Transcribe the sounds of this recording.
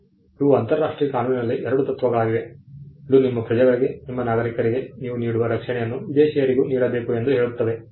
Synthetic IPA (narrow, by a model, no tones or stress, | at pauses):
uʋuɐnt̪ɐɾɾaːʂʈɾiːjɐkaːnuːninɐlːiʔɛɾɐɽut̪ɐt̪ːʋɐɡɐɭaːɡiʋe̞ilːunimːɐpɾɐd͡ʒɐɡɐɭiɡe̞nimːɐnaːɡɐɾikɐɾiɡe̞niːʋuniːɽuʋɐɾɐkʂɛɳɛjɐnːuʋid̪eːʃɛjɐɾiɡuːniːɽɐbeːkue̞nd̪uɦe̞ːɭut̪ːɐʋe̞